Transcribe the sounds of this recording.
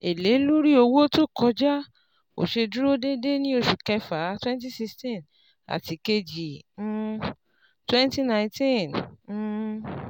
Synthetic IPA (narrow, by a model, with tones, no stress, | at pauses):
e˨le˨˦lo˦ɾi˦o˧wo˦to˦˨kɔ˧d͡ʒa˦ | o̰˨ʃe˧du˦ɾo˦de˦de˦nĩ˦o˧˨ʃu˨kɛ˧fa˨˦twɛ̃˦n˦t̬i˦si˧stĩ˦˨n | a̰˨ti˨˦ke˧d͡ʒĩ˨˦˧ | twɛ̃˦nti˦nã˨ĩtĩ˦ñ̩˧